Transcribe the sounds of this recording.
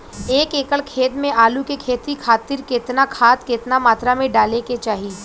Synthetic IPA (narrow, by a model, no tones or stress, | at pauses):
eːkeːkəɭkʰeːt̪mẽʔaːlukekʰeːt̪ikʰaːt̪ɪɾkɪt̪nakʰaːt̪kɪt̪namaːt̪ɾamẽɖaːleket͡ʃaːɦiː